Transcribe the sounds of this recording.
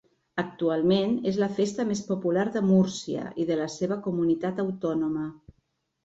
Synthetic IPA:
ək̚t̪ualˠmenezləfest̪əmespupulaɾðəmuɾsiə̰ʔiðələseβ̞əkumunit̪at̪əwt̪ɔnumə

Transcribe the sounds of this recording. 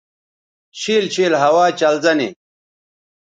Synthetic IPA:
ɕiːlɕʰiːlɦɐwaːt͡ɕɐlzɐnḭ

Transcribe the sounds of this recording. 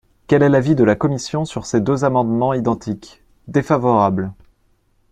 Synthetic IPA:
kʲɛlɛlavid̪əlakɔmisjɔ̃syʁsed̪øzamɑ̃d̪mɑ̃id̪ɑ̃t̪ʰik | d̪efavɔʁabl

